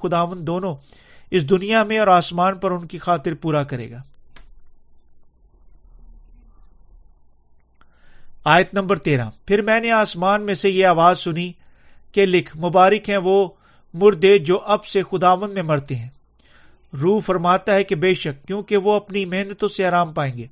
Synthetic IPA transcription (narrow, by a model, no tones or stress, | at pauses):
ʊd̪aːʋə̃nd̪oːnõ | ɪs̬d̪ʊnijamẽɔːɾaːsmaːnpɐɾʊnkixaːt̪ɪɾpuːɾakɐɾḛːɡaː | aːjət̪nɐ̃mbəɾt̪eːɾã̰ːpʰɪɾmɛ̃ːneaːsmaːnmẽsejeaːʋaːzsʊni | kelɪkʰmʊbaːɾɪkɦɛ̃ʋoː | mʊɾd̪eːd͡ʒoːʔɐbsexʊd̪aːʋə̃nd̪mẽmɐɾt̪eɦɛ̃ː | ɾuːfɐɾmaːt̪aɦɛkebeːʃəkːjõːkeʋoɐpnimeɦnət̪õseaːɾaːmpaːẽːŋɡeː